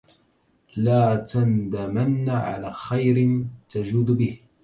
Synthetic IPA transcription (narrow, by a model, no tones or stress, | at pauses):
laːt̪and̪amanːaʕa̰laːxajɾɪt̪ad͡ʒuːd̪bɪh